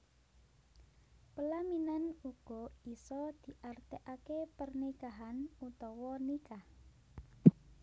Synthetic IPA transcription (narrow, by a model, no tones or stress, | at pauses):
pəlaminanuɡ̥ɔisɔd̪̥i̤ʔart̪eʔakepərnikaɦanut̪ɔwɔnikah